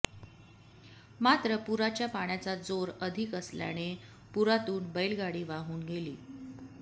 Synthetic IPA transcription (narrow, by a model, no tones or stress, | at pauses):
mat̪ɾəpuɾat͡ɕjapaɳ̃jat͡sad͡zoɾəd̪ʱikəslja̰ñe | puɾat̪uːnbəjlɡaɽiːʋaɦuːnɡelḭː